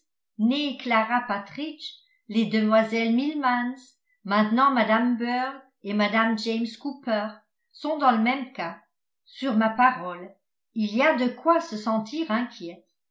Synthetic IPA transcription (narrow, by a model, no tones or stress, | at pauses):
neklaʁapat̪χiʃ | led̪əmwazɛlmilmans | mɛ̃t̪nɑ̃mad̪ambœʁ | emad̪amd͡ʒɛjmskupœʁ | sɔ̃d̪ɑ̃ləmɛmka | syʁmapaʁɔl | iliad̪əkwasəsɑ̃t̪ʰiʁɛ̃kʲjɛt